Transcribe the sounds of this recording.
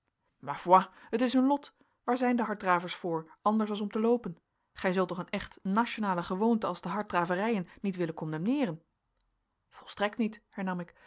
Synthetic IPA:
maːvwaətɪsənlɔt | ʋaːɹzɛjndəɦɑɹt̚draːvəɹsfʊːɹʔɑndəɹsɑlˠsɔmtəlowpən | χɛjzɵlˠtnɔχənɛχtnaʃonaːləχəʋowntəɑlˠzdəɦɑɹt̚draːvərɛjənːitʋɪlənkɔmdɛmnɪːrən | v̥ɔlˠstrɛk̚tnithɛɹnɑmɪk

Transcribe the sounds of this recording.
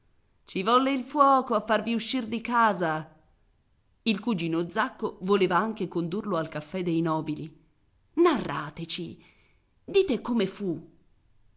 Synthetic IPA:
t͡ʃivɔlːeilfwɔːkoafːarviuʃːird̪ikaːza | ilkud͡ʒiːnod̪zakːovoleːvaaŋk̟ekond̪urloalkafːɛd̪ːejnɔːbili | narːa̰ːt̪et͡ʃi | d̪iːt̪ekomefu

